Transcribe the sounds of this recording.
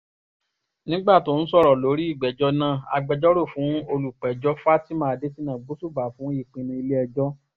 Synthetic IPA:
nĩ˦ɡ͡ba˦˨to˦˨ñ̩˦sɔ˦˨ɾɔ˨lo˨˦ɾi˦i˦˨ɡ͡bɛ˨d͡ʒɔ˧nã˦˨a̰˧ɡ͡bɛ˧d͡ʒɔ˦ɾo˦˨fũ˨˦o˧lu˨k͡pɛ˨d͡ʒɔ˦fa˦ti˦mãː˦˧˨de˦si˦nã˨ɡ͡bo˨˦su˦˨ba˨fũ˨˦i˦˨k͡pĩ˧nĩ˧i˧le˦ɛ˧d͡ʒɔ˦

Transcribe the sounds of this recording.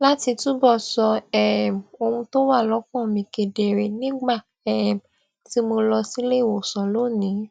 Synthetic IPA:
la˦ti˧tũ˦bɔ˦˨sɔ˧ɛ˨o˧ũ˧to˦wa˦˨lɔ˨˦kɔ̃˦˨mĩ˧ke˧de˨ɾe˨nĩ˦ɡ͡ba˦˨ | ɛ˦˨m˨ | ti˦mo˧lɔ˧si˦le˦˨wo˨sɔ˨lo˦˨nĩ˨˦

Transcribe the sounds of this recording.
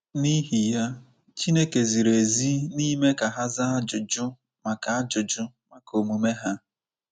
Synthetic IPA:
ni˦ɦi˨ja˦ | t͡ʃi˦ne˦ke˨zi˨ɾe˨zi˦ni˦me˦ka˨ɦa˦za˦a˦d͡ʒʊ˨d͡ʒʊ˦ | ma˨ka˨˦a˦d͡ʒʊ˨d͡ʒʊ˦ | ma˨ko˨mu˨me˦ɦa˦

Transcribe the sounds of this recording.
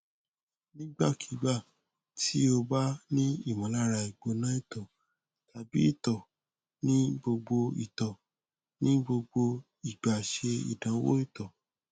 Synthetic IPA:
nĩ˦ɡ͡ba˦˨kʰi˨˦ɡ͡ba˦˨ | ti˦o˧ba˦nĩ˦i˦˨mɔ̃˨˦la˦˨ɾa˧i˨ɡ͡bo˨˧nã˦i˦˨tɔ˨ | ta˨bi˨˦i˦˨tɔ˨ | nĩ˦bo˧ɡ͡bo˧ḭ˨tɔ˨ | nĩ˦bo˧ɡ͡bo˧ | i˨ɡ͡ba˨ʃe˧ḭ˨dã˨˦wo̰˦i˦˨tɔ˨

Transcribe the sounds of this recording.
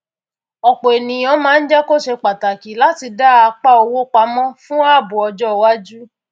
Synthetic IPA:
ɔ˨k͡po˨e˨nĩ˨ɔ̃˨˦mãː˨˦n̩˦d͡ʒɛ˦ko˦ʃe˧k͡pa˨ta˨ki˨la˨˦ti˧da˦a˧k͡pa˦o˧wo˦k͡pa˧˦mɔ̃˦fũ˦a˦˨bu˨ɔ˧d͡ʒɔ˦˧wa˦d͡ʒu˦

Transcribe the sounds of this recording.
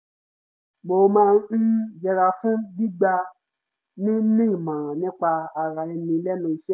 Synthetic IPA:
mo˨˧mãː˦˧n̩˦d͡ʒɛ˧ɾa˧fũ˦bi˦ɡ͡ba˧ | nĩ˦nĩ˦i˨mã˨ɾ̃ã˨nĩ˦k͡pa˧a˧ɾa˨i˧mĩ˧˦lɛ˦nũ˧˦i˧ʃɛ˦

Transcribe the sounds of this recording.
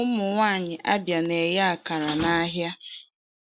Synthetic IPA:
ʊ˦mʊ˨ŋʷaː˦˨ɲɪ˨ʔa˦bja˨ne˨ja˨ka˨ɾa˨na˦ɦja˦

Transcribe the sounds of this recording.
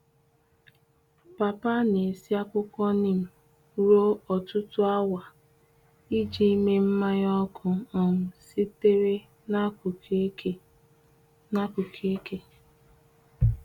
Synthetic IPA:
pa˨pa˦ne˨si˦a˦kʷʊ˦kɔ˦ni˨m̩˨ | ɾo˦ɔ˨tʊ˦tʊ˦a˦wa˨ | i˦d͡ʒi˦me˦m̩˦ma˦ɲ˦ɔ˦ɡʊ˨˦ɔ˨ŋ̩˨si˦te˦ɾe˦ | na˦˨˦ | na˦ku˨kʰe˦ke˦

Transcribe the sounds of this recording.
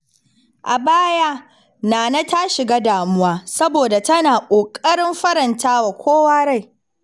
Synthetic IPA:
ʔa˨baː˦jaː˦ | naː˨na˦ta˦ʃɪ˨ɡaː˦daː˨mʊ˦waː˦sɐ˦boː˨da˨tɐ˦naː˨kʷʼoː˨kʼɐ˦ɽɪ˦mɸɐ˦ɾɐ˨ntaː˦wa˨kʷʰoː˦waː˦ɽa˦˨j

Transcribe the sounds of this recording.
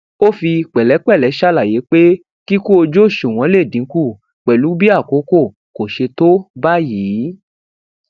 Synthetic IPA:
o˦fi˧k͡pɛ˨lɛ˨˦k͡pɛ˦˨lɛ˨˦ʃa˦˨la˨je˨˦k͡pe˦ | ki˦ko˦o˧d͡ʒo˦˨ʃu˨w̃ɔ̃˨˦le˦˨dĩ˨˦ku˦˨ | k͡pɛ˨lu˨˦bi˦a˦˨ko˨˦ko˦˨ | ko˨ʃe˧to˦ba˦jiː˨˦

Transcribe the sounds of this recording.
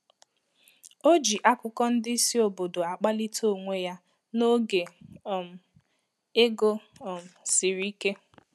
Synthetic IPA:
o˦d͡ʒi˨ʔa˦kʊ˦kɔ˦n̩˦dɪ˦i˦si˦o˨bo˨do˨a˨k͡pa˦li˦to˦˨ŋʷe˦ja˦ | no˦ɡe˨m̩˨ | e˦ɡo˦˨m̩˨sɪ˨ɾi˦ke˦

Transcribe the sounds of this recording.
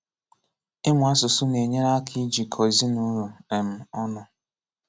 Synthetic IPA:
ɪ˦mʊ˨a˦sʊ˨sʊ˦ne˨ɲe˦ɾa˦kʰi˦d͡ʒi˨kʰɔ˨zi˦nu˦ɾu˨ne˨m̩˨ɔ˦nʊ˦

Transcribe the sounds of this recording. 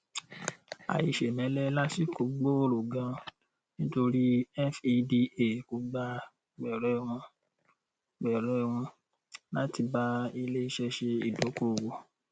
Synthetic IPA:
a̰˨i˨ʃe˨nɛ̃˨˦lɛ˦la˦si˦˨ko˨˦ɡ͡bo˦o˦lo˨ɡã˨˧ | nĩ˦to˧ɾi˦ɛ˦fi˧di˧e˨ko˨˧ɡ͡ba˧ | ɡ͡bɛ˨ɾɛ˨˦˧w̃ɔ̃˧ | ɡ͡bɛ˨ɾɛ˨˦˧w̃ũ˧ | la˦ti˧ba˦i˧le˦i˦˧ʃɛ˧ʃe˧i˨do˨˦ko˦˨wo˨

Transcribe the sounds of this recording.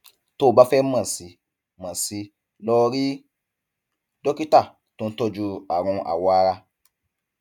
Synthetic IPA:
to˦˨ba˦fɛ˦mã˦˨si˧ | mã˨si˧ | lɔ˦ɾi˦ | dɔ˦ki˦ta˦˨ | tõ˧˦tɔ˧d͡ʒu˧a̰˨ɾ̃ũ˧ʔa̰˨wɔ˨˧a˧ɾa˧

